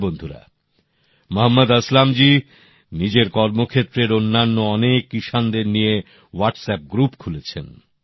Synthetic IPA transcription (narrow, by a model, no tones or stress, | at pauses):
bond̪ʱuɾa̰ | moɦɐmːad̪əslamd͡ʑi | nid͡ʑeɾkɔɾmokʰet̪ːɾeɾonːanːoɔnekːiʃand̪eɾnije | waʈsɛp̚ɡɾupkʰulet͡ɕʰḛn